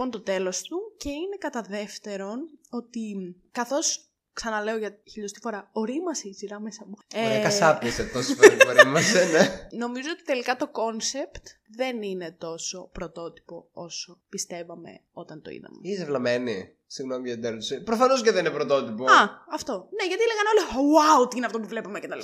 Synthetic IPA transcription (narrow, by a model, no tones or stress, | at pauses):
o̞nt̪ot̪e̞lo̞st̪uce̞ine̞kɐt̪ɐðe̞ft̪e̞ɾo̞no̞t̪i | kɐθo̞s | ksɐnɐle̞oʝɐçiʎost̪i̥fo̞ɾɐoɾimɐseiziɾɐmesɐmueɐkɐsɐpeset̪osopeɾoɾimɐseneno̞mizoot̪it̪e̞likɐt̪o̞ko̞nse̞pt̪ | ðe̞nine̞t̪o̞so̞pɾo̞t̪o̞t̪i̥po̞o̞so̞pist̪e̞vɐme̞̰o̞t̪ɐnt̪oḭðɐ̰mṵizevlɐmeni | siɣno̞miɐd̪eɾt̪sepɾofɐno̞s̬ceðeninepɾot̪o̞t̪ipoɐɐft̪o̞ne̞ʝɐt̪ieleɣɐneo̞liwawt̪iineɐft̪opuvle̞pumecet̪ɐl